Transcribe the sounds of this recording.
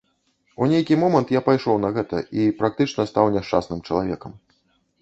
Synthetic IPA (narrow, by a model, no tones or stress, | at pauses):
unʲejkʲimɔmɐnt̪japajʂɔwnɐɣɛt̪ɐ̰ʔipɾak̚t̪ɨt͡ʂnɐst̪awnʲɛʂt͡ʂa̰snɨmt͡ʂɐlˠavʲɛkɐm